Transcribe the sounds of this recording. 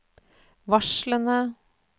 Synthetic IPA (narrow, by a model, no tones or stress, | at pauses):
ʋɑʃlənə